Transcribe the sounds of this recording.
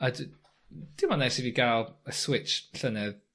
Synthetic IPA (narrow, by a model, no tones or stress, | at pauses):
əd | d̥ɪmɔnajsiviɡalˠəswɪt͡ʃɬənɛð